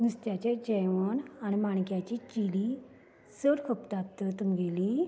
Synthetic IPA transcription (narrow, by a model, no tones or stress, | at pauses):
d̪ust̪jat͡ɕed͡ʑɛʋonañimaɳkjat͡ɕit͡ɕili | səɾkʰəpt̪at̪ːət̪əmɡeli